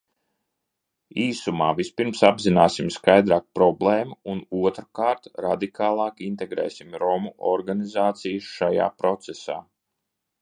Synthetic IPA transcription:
iːsumaːvispiɾmsabzinaːsimskajd̪ɾaːk̚pɾɔblˠeːmuunuɔt̪ɾakaːɾt̪ɾad̪ikʰaːlˠɑːkint̪ɛɡɾɛ̰ːsimɾɔmuʔɔɾɡanizaːt̪sijsʃaja̰ːpɾɔt̪sɛsa̰ː

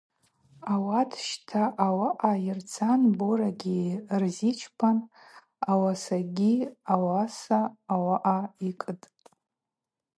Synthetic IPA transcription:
awatʰʃtʰaʔawaʔairt͡sʰanboɾaɡʲirzit͡ʃʰpʰan | awasaɡʲiawasaːwaʔaikʼɨtʼ

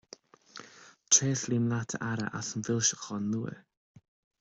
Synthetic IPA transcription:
tʰreːslimlatʰə̰ʔaɾə̰ʔa̰sənvɪlˠʃə̥χɔnːuə̰

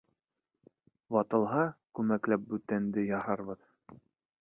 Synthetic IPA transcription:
bɑt̪ɤ̆lˠɦɑkʉmæklæp̚bʉt̪ænd̪ɘjɑhɑɾβɤð

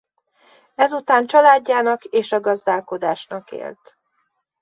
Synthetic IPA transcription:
ɛzut̪aːnt͡ʃɒlaːɟːaːnɒkeːʃɒɡɒzd̪aːlko̞d̪aːʃnɒkḛːlt̪

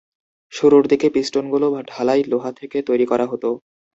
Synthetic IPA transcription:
ʃuɾuɾd̪ikepisʈonɡulobaɖʱalajloɦat̪ʰeket̪ojɾikɔɾaɦot̪o

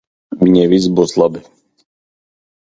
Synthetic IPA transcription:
mɲɛʋizbɔslˠabi

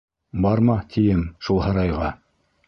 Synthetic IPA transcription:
bɑɾmɑt̪ʰijɘmʃulˠhɑɾɑjʁɑ

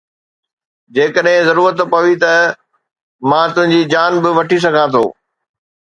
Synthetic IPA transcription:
d͡ʑeːkəɗɦɪ̃zɐɾuːɾət̪pɐʋit̪ɐ | mãːt̪ʊ̃ɦɪ̃ɲd͡ʑid͡ʑaːnbɪʋɐʈis̬ɐɡʱãːt̪ʰo̰ː

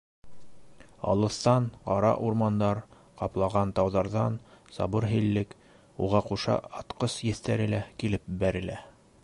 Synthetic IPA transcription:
ɑ̰lˠɤ̆θt̪ɑnqɑɾɑ̰ʔuɾmɑnd̪ɑɾ | qɑplˠɑʁɑnt̪ɑwðɑɾðɑnsɑ̰βɤɾɦɘ̆lːɘk | uʁɑquʃɑ̰ɑt̪qɤsjɘ̆θt̪æɾɘ̆lækilɘp̚bæɾɘ̆læ

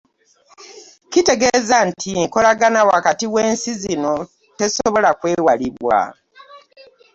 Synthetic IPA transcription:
kite̞ɡe̞zantʰiko̞laɡanawakatiwe̞ːnsizino̞ | te̞soβo̞lakwe̞ːwaliβwa̰

